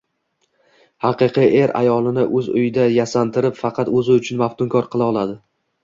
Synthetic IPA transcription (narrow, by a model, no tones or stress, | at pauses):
hɑqɨqʰiʔeɾa̰jɒlˠɪnɪʔɵzʊjɪd̪ajasant̪ɪɾɪpfɑqʰɑt̪ɵzɪʊt͡ʃʰʊnmaft̪ʊŋkʰɒɾqʰɨlˠaɒlˠad̪ɪ